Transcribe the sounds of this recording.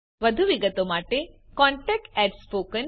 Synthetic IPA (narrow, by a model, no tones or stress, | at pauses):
ʋəd̪ʱuʋiɡət̪omaʈekɔ̃ɳʈɛk̚ʈɛʈspokən